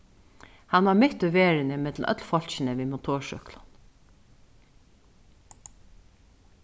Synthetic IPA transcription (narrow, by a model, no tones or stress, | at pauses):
hɑnʋɑːmɪt̪ʉʋeːɹɪnəmɪd̪l̩œ̰t̪ʰlfɔlʃnəʋiːmʊt̪ʰoːʃœ̰klɑn